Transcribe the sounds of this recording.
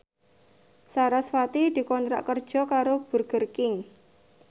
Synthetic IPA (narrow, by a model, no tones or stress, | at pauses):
saɾaswat̪id̪̥i̤kɔnt̪ɾa̰ʔkərd̥ʒ̥ɔ̤kaɾob̥ṳrɡ̥ə̤rkɪŋ